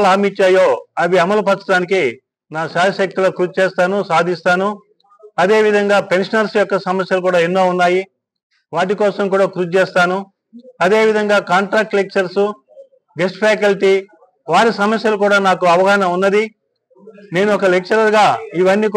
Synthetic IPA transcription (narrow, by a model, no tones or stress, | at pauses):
laːmit͡ʃːaːjo̞ːɐʋiɐmɐlupɐt͡sːɐʈaːniki | naːʃaːjɐʃɐk̚t̪ulɐːkɾut͡ʃt͡ʃeːst̪aːnusaːd̪ʱist̪aːnu | ɐd̪e̞ːʋid̪ʱɐŋɡaːpe̞nʂɐnɐɾsjɔkːɐsɐmɐsjɐlukuːɽaːinːoːunːaːji | ʋaːʈ̬ikɔːsɐmkuːɽaːkɾud͡ʒt͡ʃeːst̪aːnu | ɐd̪e̞ːʋid̪ʱɐŋɡaːkaːɳʈɾaːk̚ʈlek̚t͡ʃɐɾsu | ɡesʈpʰaːk̬ɐlʈi | ʋaːɾisɐmɐsjɐlukuːɽaːnaːkuɐʋɐɡaːnɐmunːɐd̪i | ne̞ːnuɔkɐlek̚t͡ʃɐɾɐɾɡaːiʋɐnːiːk